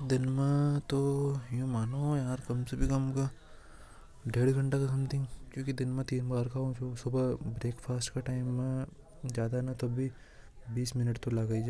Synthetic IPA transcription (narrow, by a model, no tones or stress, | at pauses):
d̪ɪnmẽt̪ojũmaːnojaːɾkɐmsebʱikɐmka | ɖeːɽɡʱɐ̃ɳʈakasɐmt̪ʰɪ̃ŋɡkjõːkid̪ɪnmẽt̪iːnbaːɾkaõt͡ʃʰosʊbbɾeːkfʰaːsʈkaʈaːɪmːẽ | d͡ʒjaːd̪anat̪ɐbʱi | biːsmɪnəʈt̪olaɡaid͡ʒaː